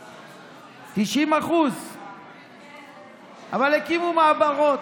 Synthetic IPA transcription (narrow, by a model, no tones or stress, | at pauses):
t̪iʃimaχuz | ʔavalhekimumaabaʁot